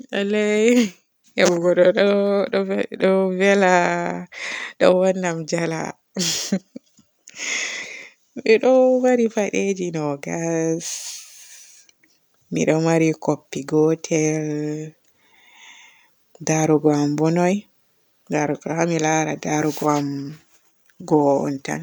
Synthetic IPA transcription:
alɛj | ɛbuɡɔɗɔɔɗɔvɛla | ɗɔwanːamd͡ʒala̰ | miɗɔmaɾifaɗed͡ʒinɔɡas | mḭɗɔmaɾikopːiɡɔtʰɛl | daɾuɡɔambɔnɔj | daɾuɡhamilaɾa̰daɾuɡɔam | ɡɔɔ̰nta̰n

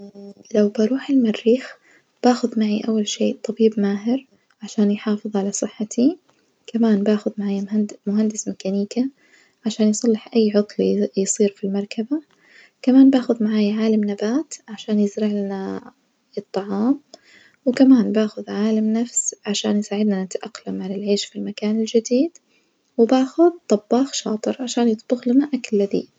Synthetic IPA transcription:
lawbaɾˤuːħɪlmarːiːx | b̥aːxʊðmaʕiʔawːalʃeːt̪ˤːɑbiːbmaːɦɪɾ | ʕaʃaːnjħɑːfɨðˤʕalasˤɨħːat̪ʰi | kamaːnbaːxʊðmaʕaːjmʊɦand̪ɪsmɪkaniːka | ʕaʃaːnjsˤɑlːɪħʔajːʕʊt̪ˤlijsˤiːɾfilmɑɾˤkaba | kamaːnbaːxʊðmaʕaːjʕaːlamnabaːt̪ʕaʃaːnjɪzɾɪʕlana | ɨt̪ˤːɑʕɑːm | wkamaːnbaːxʊðʕaːlamnafsʕaʃa̰ːnjsaːʕɪd̪nanɪt̪ʔaqːlamːanɪlʕeːʃfilmakaːnɪld͡ʒɪd̪iːd̪̥ | wɪbaːxʊðt̪ˤɑbːɑːxʃɑ̰ːt̪ˤɨɾʕaʃaːnjɨt̪ˤb̥ʊxlanaʔakalːaðḭː

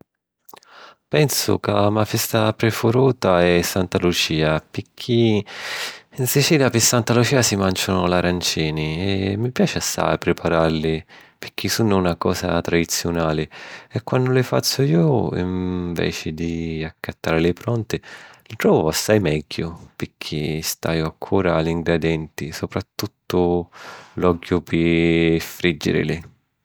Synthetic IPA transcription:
pɛnsʊ̰kamafɛst̪apɾefʊɾuːt̪aɛsːant̪alut͡ʃiːapɪkʰːi | insit͡ʃiːljapɪsːant̪alut͡ʃiːasimant͡ʃʊnʊlaɾant͡ʃiːniɛmːipjaːt͡ʃeasːa̰jpɾɪpʰaɾaɾlɪpɪk̟ːisunʊunakɔ̰ːsa̰t̪ɾad̪it̪sːjʊnaːlɪɛkːwand̪ʊlɪfa̰t͡ʃːʊiːoʊḭɱvɛ̰ːt͡ʃɪd̪iakʰːat̪ːaːɾɪlɪpɾɔnt̪ɪlɪt̪ɾɔːvʊasːajmɛɟːʊpɪɾk̟ʰːist̪a̰joaŋkʰːuːɾaliŋɡɾad̪ɛnt̪isopɾat̪ːut̪ːʊ | lɔɡjʊpʰɪfɾid͡ʒːɪ̰ɾɪ̰lɪ

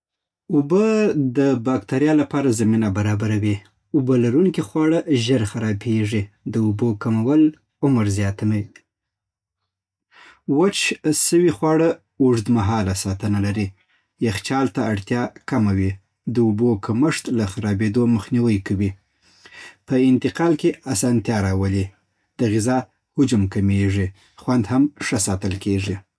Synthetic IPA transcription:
ʊbəd̪əbɑkt̪aɾjɑlapɑɾazaminabaɾɑbaɾawi | ʊbəlaɾuŋkixwɑɽəʒəɾxaɾɑbeʐid̪əubokamawəl | ʊmɾzjɑt̪ama | wat͡ʃsəwixwɑɽə | uʐd̪maɦɑlasɑt̪ənalaɾi | jaxt͡ʃɑlt̪aaɽt̪jɑkamawi | d̪əʊbokʰaməʂt̪laxaɾɑbed̪oməxniwəjkawi | pəɪnt̪ɪqɑlkeasɑnt̪jɑɾɑwəli | d̪̥əɣɪzɑ | hʊd͡ʒamkameʐi | xwand̪hamʂəsɑt̪əlkeʐi

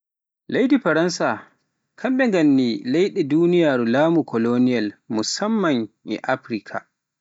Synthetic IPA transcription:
lajdiɸɐɾɐnsa | kʰɐmɓɛŋɡɐnːiːlajɗɛduːnɪjaːɾulaːmukʰɔlonɪjɐlmʊsɐmːɐŋʔɛ̰ʔaɸɾikʰa̰

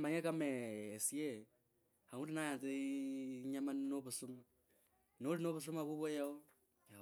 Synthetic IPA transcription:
maɲekameːsje | hautinajate | ɲamannoβusuma | nolinoβus̬umaβuβwojao

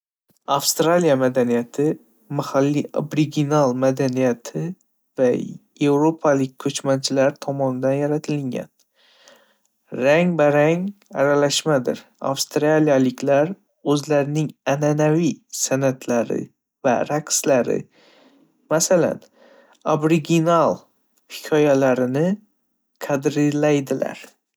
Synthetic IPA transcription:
afst̪ɾalijamad̪anijat̪ʰɪ | mahalːiobɾiɡʲinalˠmad̪anijat̪ʰɪ | vaje̞wɾopʰalɪk̚ʲkʰːɵt͡ʃmant͡ʃʰɪlaɾt̪ʰɒmɒnɪd̪anjaɾat̪ʰɪlɪŋɡʲa̰n | ɾaŋvaɾaŋa̰ɾalaʃmad̪ɪ̰ɾ | a̰fst̪ɾalijalɪkʲʰlaɾ | ɵzlaɾɪnɪŋananavisanat̪ʰlaɾɪ̰ | vaɾakslaɾɪ̰ | masala̰n | obɾɪɡʲinalˠ | hɪ̥kʲʰɒjalaɾɪnɪ | qʰad̪ɾɪlajd̪ɪla̰ɾ

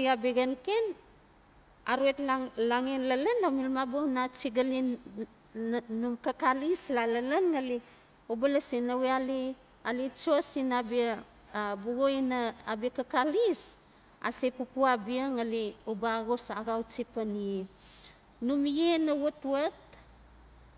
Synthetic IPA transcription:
iabeɡanken | aɾuetlaŋenlalanːamilmabonat͡ʃiɡali | numkakalislalalanŋali | obalasinaweali | alit͡ʃoasinabi | buɡojnaabikakalis | a̰sekupuabiaŋaliobaaɡosaɡawt͡ʃipanie | numjenawotuat̚

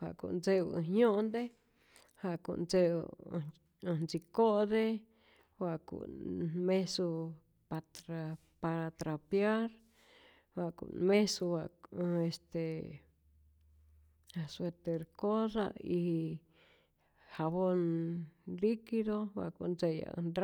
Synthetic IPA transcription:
ha̰kṵnd͡zḛ̃ɲõʔnd̪e | hakṵnd͡zeṵ̃ | nt͡sikoʔðe | wakṵmẽsu | pat̪ɾa | paɾat̪ɾapjaɾ | wakṵmẽsuwaest̪e | aswet̪eɾkoða̰ih | haβon | likiðowa̰ʔkund͡zeja̰ndɾ

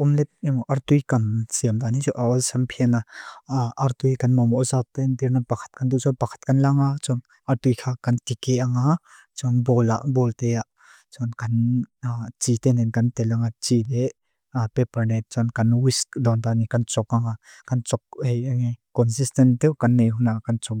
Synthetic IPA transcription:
ɔmlɛt̪̚nimɔʔart̪ujkansiəmt̪anit͡suʔaɔsampʰinaʔart̪ujkanmɔmɔzat̪ɛnd̪iɾnapakʰḁt̪̚kand̪uʔt͡sɔnpakʰḁt̪̚kanlaŋat͡sɔn | ʔart̪ujkʰakant̪ikɛʔaŋa | t͡sɔnbɔla̰ʔbɔlt̪ɛjaʔ | t͡sɔnkɐn | t͡ʃit̪ɛnɛnkant̪ɛlaŋat͡ʃilɛ | apɛparnɛt̪̚t͡sɔnkɐnwiskd̪ɔnt̪anikant͡sɔk̚aŋa | kant͡sɔk̚hɛjaŋikɔnsistɛnt̪ɛkanːejɦunakant͡sɔk

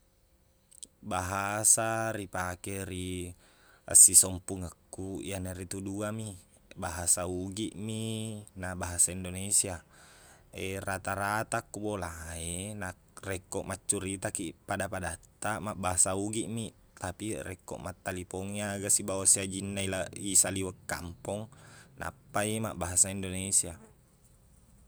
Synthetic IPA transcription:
baɦasaɾipakeɾi | a̰sisɔmpuŋakːuḭjaneɾit̪uduami | baɦasauɡiʔminabaɦasaindonesia | erat̪aɾat̪akːubolaena | rɛkːɔʔmat͡ʃːuɾit̪akipadapadat̪ːamaʔbaɦasauɡiʔmiʔ | t̪apirɛkːɔ̰ʔmat̪ːalipoŋiaɡasibawasiad͡ʒinːailaisaliwəkːa̰mpɔŋna̰pːaimaʔbaɦasaindonesia

